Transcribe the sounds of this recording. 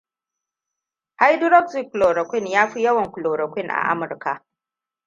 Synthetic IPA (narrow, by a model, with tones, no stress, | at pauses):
ha˦jdʊ˦ɾɔ˦ksɪ˦˨kːʊ˨loː˨ɾɐ˨kʷɪ˦njaː˦ɸi˦jɐ˦wɐ˨ŋkʷʊ˨loː˨ɾɐ˨kʷɪ˦ŋʔa̰˨ʔa̰˦mʊ˨ɾka˨ʔ